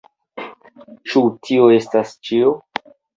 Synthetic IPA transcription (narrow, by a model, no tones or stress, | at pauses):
t͡ʃutʰioe̞stast͡ʃio